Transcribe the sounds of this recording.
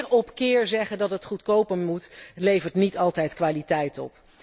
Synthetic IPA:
rɔpkɪːɹzɛχəndɑtətχutkowpənmutlejvəɹtnitɑlˠtɛjtkʋaːlitɛjtɔ̰p

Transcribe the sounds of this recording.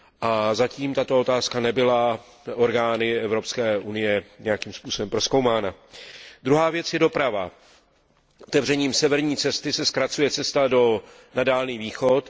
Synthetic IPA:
ʔazaciːmt̪at̪o̞ot̪aːskanɛbɪla | ʔo̞ɾɡaːnɪɛvɾo̞pskɛːʔunɪjɛɲɛjakiːmspuːso̞bɛmpɾo̞sko̞wmaːnad̪ɾuɦaːvjɛt͡sjɛdo̞pɾava | ʔot̪ɛvrɛɲiːmsɛvɛɾɲiːt͡sɛst̪ɪsɛskɾat͡sujɛt͡sɛst̪ado̞ | nadaːlniːviːxot̪

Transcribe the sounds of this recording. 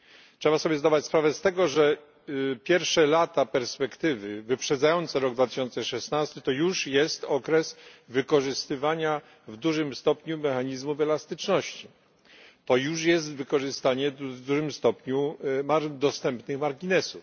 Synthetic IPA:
tʂɛbasɔbʲjɛzd̪ad̪at͡ɕspɾavɛst̪ɛɡɔʐɛ | pʲjɛɾfʂɛlat̪apɛɾspɛkt̪ɘvɘvɘpʂɛd̪zajɔnt̪sɛɾɔɡd̪vat̪ɪ̥ɕɔnt̪sɛʂɛsnast̪ɘt̪ɔjuʂjɛst̪ɔkɾɛsvɘkɔʐɘst̪ɘvaɲa | vd̪uʐɘmst̪ɔpɲumɛxaɲizmufɛlast̪ɘt͡ʂnɔɕt͡ɕi | t̪ɔjuʂ̬jɛs̬t̪vɘkɔʐɘst̪aɲɛvd̪uʐɘmst̪ɔpɲumaɾd̪ɔst̪ɛmpnɘxmaɾɡʲinɛsuf

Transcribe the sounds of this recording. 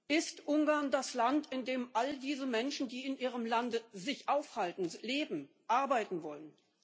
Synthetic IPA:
ʔɪstʔʊŋɡaɐndaslantɪndeːmʔaldiːzəmɛnʃn̩diːɪnʔiːʁ̞əmlandəzɪçʔaʊfhaltn̩leːbm̩ | ʔaɐbaɪtn̩vɔlən

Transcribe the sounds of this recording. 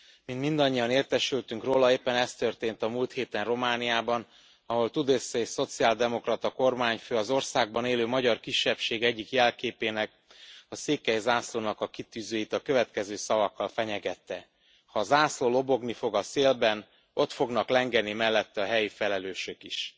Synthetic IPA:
mint̪mind̪ɒɲːijɒneːrt̪ɛʃylt̪yŋkroːlɒeːpːɛnɛst̪ø̞rt̪eːnt̪ɒmult̪heːt̪ɛnro̞maːnijaːbɒn | ɒɦo̞lt̪ud̪eːsːeːʃso̞t̪siaːld̪ɛmo̞krɒt̪ɒko̞rmaːɲføːɒzo̞rsaːɡ̚bɒneːløːmɒɟɒrkiʃːɛpʃeːɡɛɟːikjɛlkeːpeːnɛk̚ | ɒseːkɛjzaːsloːnɒkɒkit̪yːzøːjit̪ɒkø̞vɛt̪kɛzøːsɒvɒkːɒlfɛɲɛɡɛt̪ːɛ | hɒːzaːsloːlo̞bo̞ɡnifo̞ɡɒseːlbɛn | o̞t̪fo̞ɡnɒklɛŋɡɛnimɛlːɛt̪ːɛɒɦɛjifɛlɛløːʃøkiʃ

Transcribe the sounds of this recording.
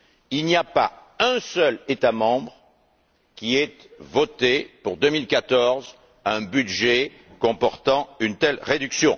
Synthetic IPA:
ilniapaɛ̃sœlet̪amɑ̃bʁ | kʲiɛt̪vɔt̪epuʁd̪əmilkat̪ɔʁz | ɛ̃byd̪ʒe | kɔ̃pɔʁt̪ɑ̃ynt̪ɛlʁed̪yksjɔ̰̃

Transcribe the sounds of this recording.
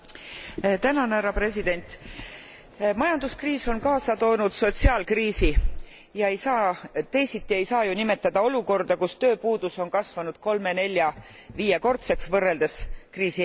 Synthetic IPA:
t̪ænɑnhæɾɑpre̞sid̪̥e̞nʲt̪ˑ | mɑjɑnd̪uskriːso̞nkɑːsɑt̪o̞ːnud̪̥so̞t̪siɑːlkriːsi | jɑe̞jsɑːt̪e̞jsit̪ːie̞jsɑːjunime̞t̪ˑːɑd̪̥ɑo̞luko̞rd̪̥ɑkust̪ø̞ːpuːd̪̥uso̞nkɑsvɑnud̪̥ko̞lme̞ne̞lʲːjɑviːjeko̞rt̪se̞ksvɤrːe̞ld̪eskriːsi

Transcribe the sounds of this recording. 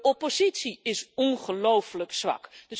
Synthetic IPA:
ɔpozitsiɪsɔnχəlowfələksʋɑ̰kdəs

